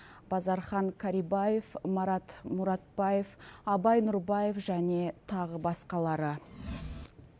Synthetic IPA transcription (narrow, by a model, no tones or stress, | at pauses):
b̥ɑzɑɾχɑŋkʲʰaɾibaje̞fmɑɾɑt̪mʊɾɑt̪̚bɑje̞fɑbɑjnʊɾbɑje̞fʒæne̞t̪ʰɑʁəbɑsqɑlˠɑɾə